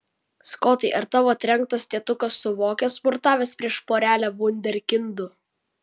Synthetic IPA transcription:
skɔt̪ɐɪʔɐɾt̪ɑʋoːɐt̪ʲɾʲɛŋˑk̚t̪ɐsʲt̪ʲiɛt̪ʊkɐsːʊʋoːkʲɛspʊɾt̪ɑːʋʲeːspʲɾʲiɛʃpoːɾʲæːlʲæʋʊnʲd̪ʲɛɾʲkʲɪnd̪ʊ

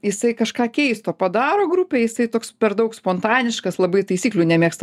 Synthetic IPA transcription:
jɪsɐɪkɐʃkɑːkʲɛɪst̪oːpɐd̪ɑːɾoːɡɾupʲeːjɪsɐɪt̪oːkspʲɛɾd̪ɐʊkspoːnt̪ɑːnʲɪʃkɐslˠɐbɐɪt̪ɐɪsʲiːklʲuːnʲɛmʲeːkst̪ɐ

